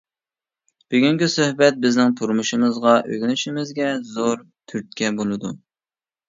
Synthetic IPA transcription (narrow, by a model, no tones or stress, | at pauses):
b̥ɪɡʲyŋɡʲisøhbɛt̪̚bɪznɪŋt̪ʰuɾmuʃɨmɨzʁɑʔøɡʲnyʃɪmɪzɡʲɛzoɾ | t̪ʰyɾt̪̚kʲɛbolˠɨd̪u